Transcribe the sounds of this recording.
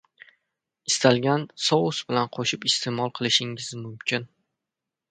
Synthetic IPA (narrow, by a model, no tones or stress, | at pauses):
ɪst̪ʰalɡʲansɒwʊsbɪlanqʰoʃɪpɪst̪ʰemɒlˠqʰɨlˠɪʃɪŋɪzmʊmkʲɪn